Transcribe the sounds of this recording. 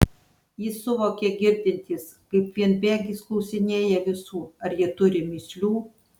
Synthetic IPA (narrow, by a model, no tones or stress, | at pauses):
jɪsʊʋoːkʲɛɡʲɪɾʲd̪ʲɪnʲt̪ʲiːs | kɐɪpʋʲiɛnbʲæːɡʲiːsklˠɔʊsʲɪnʲeːjɛʋʲɪsuːɐɾjiɛt̪ʊɾʲɪmʲiːsʲlʲuː